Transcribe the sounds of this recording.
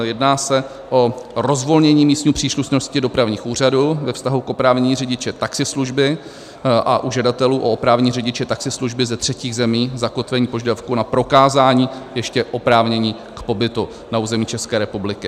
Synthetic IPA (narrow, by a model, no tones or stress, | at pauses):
jɛdnaːsɛ | ʔo̞ɾo̞zvo̞lɲɛɲiːmiːst̪ɲiupr̝̥iːsluʃno̞scɪdo̞pɾavɲiːxʔuːr̝aduvɛfst̪aɦukʔo̞pɾaːvɲɛɲiːrɛɟɪt͡ʃɛt̪aksɪsluʒbɪ | ʔa̰ʔuʒɛdat̪ɛluːʔoopɾaːvɲiːrɛɟɪt͡ʃɛt̪aksɪsluʒbɪzɛt̪r̥ɛciːɣzɛmiːzako̞t̪ʋɛɲiːpo̞ʒɛdafkunapɾo̞kaːzaːɲiːjɛʃcɛʔo̞pɾaːvɲɛɲiː | kpo̞bɪt̪u | nauːzɛmiːt͡ʃɛskɛːɾɛpublɪkɪ